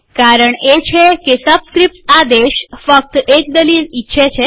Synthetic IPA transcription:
kaɾəɳet͡ɕʰekesəbskɾip̚ʈad̪eɕfək̚t̪ek̚d̪əliːlitːɕʰet͡ɕʰe

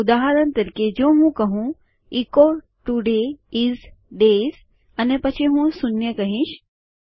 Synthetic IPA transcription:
ud̪aɦəɾənt̪əɾked͡ʑõɦũkəɦũ | iko | ʈuɖeiz | ɖez | ənepət͡ɕʰiɦũːsunjəkəɦĩɕ

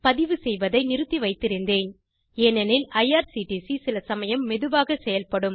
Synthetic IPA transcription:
pɐðɪʋɯsɛjʋɐðɐɪnɪɾɯt̪ːiʋɐɪt̪ːɪɾɪnd̪eːn | eːnɛnɪlɐjaːɾsiʈisisɪlɐsɐmɐjɐmːɛðɯʋaːɣɐsɛjɐlpɐɽɯm

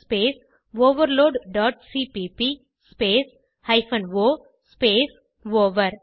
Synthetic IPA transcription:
speːs | ʋoːʋəɾloːɖɖɔːʈ̚siːpiːpi | speːs | haɪfə̃nʋoː | speːs | ʋoːʋəɾ

